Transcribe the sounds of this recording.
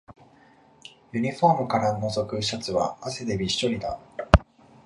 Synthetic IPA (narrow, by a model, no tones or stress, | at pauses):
jɯ̟ɲ̟iɸo̞ːmɯ̟kaɾano̞zo̞kɯ̟ɕat͡sɨβa̰ːse̞d̪e̞bʲiɕt̪o̞ɾʲid̪a̰